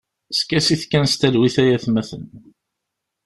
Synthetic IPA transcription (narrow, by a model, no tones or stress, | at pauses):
skæsiθkːænst̪ælwiθæjæθmæθən